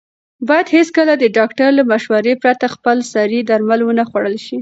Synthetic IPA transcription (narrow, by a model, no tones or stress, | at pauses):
bɑjad̪heskəlad̪əɖɑkʈaɾlamaʃwaɾepɾat̪axpəlsɑɾid̪aɾmalwənaxwaɽəlʃi